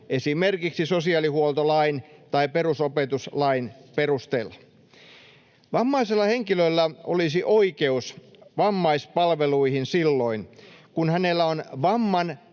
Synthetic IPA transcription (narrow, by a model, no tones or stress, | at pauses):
esimerkiksisosiɑlihuolt̪olɑint̪ɑiperusopet̪uslɑinperust̪eːlːɑ | ʋɑmːɑiselːɑheŋkilølːæʔo̰lisiʔoikeusʋɑmːɑispɑlʋeluihinsilːo̞inkunhænelːæonʋɑmːɑn